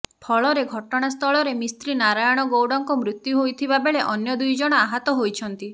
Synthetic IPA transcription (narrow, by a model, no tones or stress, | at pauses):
pʰɔɭɔɾeɡʱɔʈɔɽ̃ast̪ʰɔɭɔɾemist̪ɾinaɾajɔɽ̃ɔɡowɽɔŋkɔmɾut̪juɦojt̪ʰibabeɭeʔɔnjɔd̪ujd͡ʒɔɽ̃ɔaɦat̪ɔɦojt͡ʃʰɔnt̪i